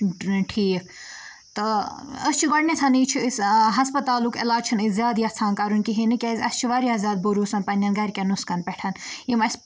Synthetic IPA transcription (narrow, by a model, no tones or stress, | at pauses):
ʈʰiːk̚ | t̪ɨəst͡ʃʰiɡɐɽnʲet͡s̪ʰɐnit͡ʃʰiisɦɐspɐt̪aːlukḭlaːd͡ʒt͡ʃʰinizjaːd̪jɐt͡sʰãːnkɐɾunkiɦinɨkʲezʲɐst͡ʃʰiʋaːɾiɐzʲaːd̪̚buɾuːsɐnpɐnʲːɐ̃ːnɡɐɾʲkʲenuskɐnpɛʈʰɐnimɐs